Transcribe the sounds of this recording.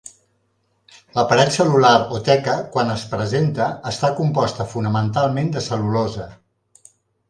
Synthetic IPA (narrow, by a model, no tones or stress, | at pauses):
ləpəɾɛt̪səlulaɾot̪ɛkəkwanəspɾəzent̪əːst̪akumpɔst̪əfunəmənt̪alˠmend̪əsəlulozə